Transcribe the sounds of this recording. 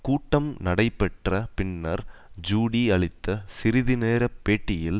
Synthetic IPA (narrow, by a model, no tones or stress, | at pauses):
kuːʈːɐmnɐɽɐɪpːɛʈrɐpɪnːɐ̰ɾd͡ʒuːɽiɐɭɪt̪ːɐsɪɾɪðɪneːɾɐpːeːʈːɪjɪl